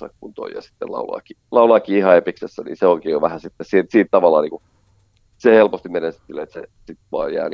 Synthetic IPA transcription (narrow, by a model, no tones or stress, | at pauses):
sɑ̰kkunt̪o̰ijjɑ̰si̥t̪ːḛlɑ̰ulɑ̰ːkilɑulɑːˑkiːihɑepiksesːænḭːseoikeːjoʋæhæsit̪ːesiːt̪siːt̪t̪ɑʋɑlːˑɑːniːŋku | sehelpost̪immenensi̥t̪silet̪sḛsit̪ʋuɑ̰ːjjæ̰ːni